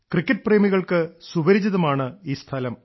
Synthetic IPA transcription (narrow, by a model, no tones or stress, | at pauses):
krikːɐʈ̚ːpreːmiɣɐɭkɨsubɐɾid͡ʑɐðɐmaːɳɨiːst̪ʰɐlɐm